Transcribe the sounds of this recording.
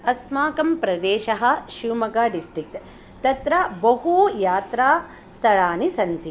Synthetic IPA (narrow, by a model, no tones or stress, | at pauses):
ɐsmaːkɐmpɾɐd̪eːʃɐɦɐ̆ʃuːmɐɡaːɖisʈɾik̚t̪ | t̪ɐt̪ɾɐbɐɦujaːt̪ɾaː | st̪ʰɐɭaːnisɐnt̪i